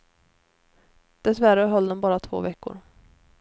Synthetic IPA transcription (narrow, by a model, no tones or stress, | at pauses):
d̪̥ɛsvæɾəɦɔld̪ɔmbɑːɾat̪ʰvo̰ːvɛkːʊ̰ɾ